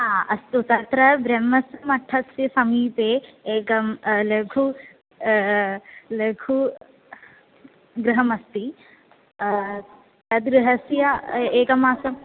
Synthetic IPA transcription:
aːɐst̪ut̪ɐt̪ɾɐbɾɐmːɐsɐmɐʈʰːɐsjɐsɐmiːt̪eːeːkɐmlekʰu | lekʰu | ɡɾɪɦɐmɐst̪i | t̪ɐd̪ɡɾɪɦɐsjɐeːkɐmaːsɐm

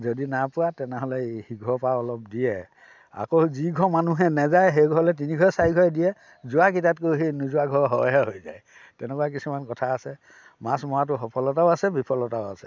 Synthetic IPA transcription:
zodinapʊwatɛnɛɦɔlɛhiɡʱɔpaɔlɔpdiɛ | a̰kowziɡʱɔmanuɦɛnɛzajɦejɡʱɔɔlɛt̬iniɡʱɔsaɹiɡʱɔɛdijɛ | zʊwakitatkoɦenuzʊaɡʱɔɹɦɔ̰ɦɛɦojzaj | tɛnɛkuak̬isumankɔtʰaːsɛ | mãsmɔat̬ʊxɔpʰɔlɔtaʊasɛbʱipʰɔlɔtaʊasɛ̥

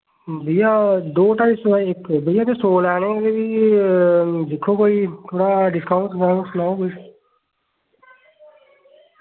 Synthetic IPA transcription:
bəijaːd̪oːʈaːisaɪkːbəijaːt̪eːsoːlɛːnẽːd̪eːʋiː | d͡ʒɪkʰːõːkoːiːt̪ʰoːɽaːɖɪskəʊ̃ɳʈɡaːsnaːokoi

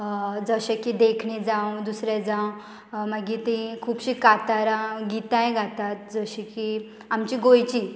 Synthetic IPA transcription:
d͡zəɕekid̪ekʰɳed͡zãwd̪usɾɛd͡zãw | maɡit̪ikʰuːpɕikat̪aɾãɡit̪ãjẽɡʱat̪at̪̚d͡zəɕiki | amt͡ɕiɡojt͡ɕi

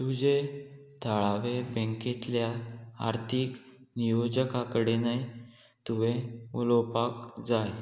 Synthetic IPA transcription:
t̪ud͡ʑe | t̪ʰaɭaʋebɛ̃ŋket̪ljaa̰ɾt̪ʰik | nijod͡ʑəkakəɽenaj | t̪uʋeulɔpakd͡zaj

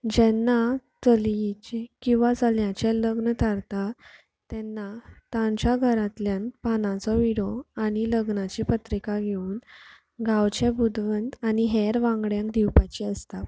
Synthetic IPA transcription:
d͡ʑɛnːat͡səlt͡ɕekĩw̃ʋat͡səljãt͡ɕɛləɡnət̪ʰaɾt̪a | t̪ɛnːat̪ãɲt͡ɕjaɡʱəɾat̪ljanpanãt͡sɔʋiɽɔaɽ̃iləɡnat͡ɕipət̪ɾikaɡʱeuːn | ɡawt͡ɕebud̪ʋənt̪aniɦɛɾʋãŋɡɽjãŋkd̪iwpat͡ɕiəst̪a

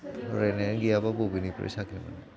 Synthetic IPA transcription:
ɹɛnɛɡijabaɡobinipɹɛ̰sakʰima̰nɛ

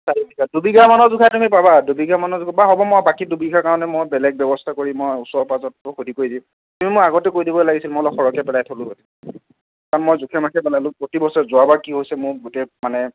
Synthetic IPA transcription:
saɹibikadubiɡamanɔzukʰatumipabadubiɡamanɔzʊkʰabaɦɔbɔmɔabakidubiɡʱakaɹɔnɛmojbɛlɛɡ̚bjɛbɔstʰakoɹĩmojusɔpazɔtːʊxudʱikoɹidĩʊ̃ | tumimʊaɡɔtɛkoidibɔlaɡisilmɔlɔxɔɹɔkɛpɛlajtʰolʊɦojtim | kanmojzukʰɛmakʰɛbɛlalʊ̃pɹotibɔsɔzʊabakiɦojsɛmʊɹɡotemanɛ

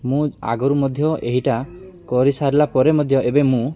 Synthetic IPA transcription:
mũa̰ɡɔɾumɔd̪ʱjɔʔeɦiʈakɔɾisaɾilapɔɾemɔd̪ʱjɔʔebemũ

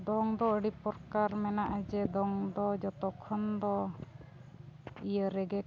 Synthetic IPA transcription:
d̪ɔŋd̪ɔəɽipɔɾkaɾmɛnaʔad͡ʒɛd̪ɔŋd̪ɔd͡ʒɔt̪ɔkʰːɔnd̪ɔ | ijəɾɛɡɛ

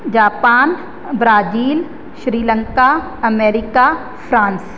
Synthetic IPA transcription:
d͡ʒaːpaːn | bɾaːd͡ʒiːl | ʃɾiːlə̃ŋka | ɐmeːɾɪka | fʰɾãːns

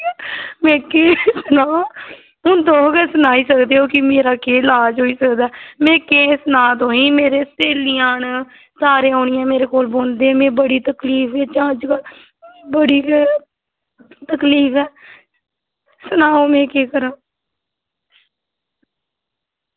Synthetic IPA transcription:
mɛ̃ːkeːsənaːo | ʊ̃d̪õːkɛsʊnaːiːsəkd̪eːɦoːkɪmeːɾaːkeːlaːd͡ʒɦoːiːsəkd̪aːmɛ̃ːkẽːsənaːt̪õːĩːmeːɾeːseːlijaːn | saːɾẽːoːnɪjãːmeːɾeːkoːlboːnd̪eːɛ̃ːmɛ̃ːbəɽiːt̪əkliːfeːt͡ʃãːd͡ʒkəl | bəɽiːkː | t̪əkliːfɛː | sənaːomɛ̃ːkeːkəɾãː

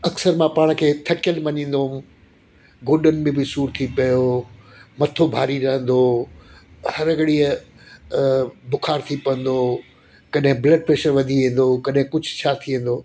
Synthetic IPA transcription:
ɐksəɾmãpaːɽ̃kʰeːt̪ʰɐkjəlmɐɲĩːn̆d̪om | ɡoːɗənɪ̆mẽbɪsuːɾt̪ʰipɐjo | mɐt̪ʰobʱaːɾiɾɐɦə̃nd̪oː | hɐɾɐɡɽiə | bʊkʰaːɾt̪ʰipɐə̃n̆d̪oː | kɐɗɦɪ̃blɐɖ̚pɾeːʃəɾʋɐd̪ʱiʋĩːn̆d̪okɐɗɦɪ̃kʊd͡ʑʱʊ̥t͡ɕʰaːt̪ʰiẽn̆d̪oː

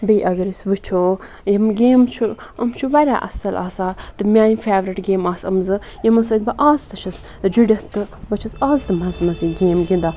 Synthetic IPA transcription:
biiʔɐɡɐɾisʋɨt͡ʃʰoː | jɐmɡeːmt͡ʃʰuɐmt͡ʃʰuʋɐɾʲa̰ːʔɐ̰sɐlʔa̰ːsaːt̪ɨmʲaːjifeːʋɾiʈɡeːmaːsɐ̰mzɨ | jɐmɐsoːd̪̚bɐʔaːzt̪ɐʃʰɐs | d͡ʒiɽʲɐtt̪ːɨbɐt͡ʃʰɐsaːzd̪ɨmɐzmɐziɡeːmɡind̪aː

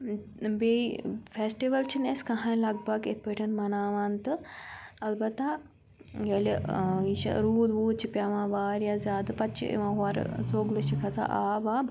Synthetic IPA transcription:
befesʈiʋɐlt͡ʃʰineskɐɦãjlɐɡbɐɡḛt̪̚pəʈʲɐnmɐnaːʋaːnt̪ɨɐlbɐt̪a | ɡeliiʃɐ̰ɾuːd̪buːd̪̚t͡ʃʰipʲaʋãːʋaːɾjazʲaːd̪pɐt̪t͡ʃʰḭʔḭʋãɦʋaːɾ̰t͡soːɡlɨʃikʰɐt͡sa̰ʔaːbaːb

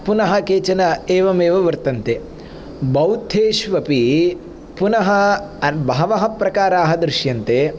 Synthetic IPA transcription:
punɐɦɐ̆keːt͡ʃɐnɐeːʋɐmeːʋɐʋɐɾt̪ɐnt̪e | bɐwt̪ʰeːʃʋɐpi | punɐɦɐbʱaːʋɐɦɐpɾɐkaːɾaːɦɐd̪ɾɪʃjɐnt̪eː

